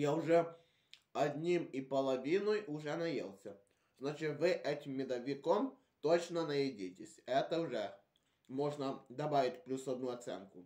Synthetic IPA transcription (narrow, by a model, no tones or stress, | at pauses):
jaʊʐɛ | ɐdʲnʲimipɐlˠɐʋʲinɔjʔʊʐɛnɐjḛlˠsʲɐ | znat͡ʃɪt̪ʋɪʔɛtʲɪmːʲɪd̪ɐʋʲɪkom | t̪ot͡ɕnɐnɐjɪdʲitʲɪsʲɛt̪ɐʊʐɛ | mɔʐnɐd̪ɐbaʋʲɪtʲplʲusɐd̪nuɐt̪sɛ̰nkʊ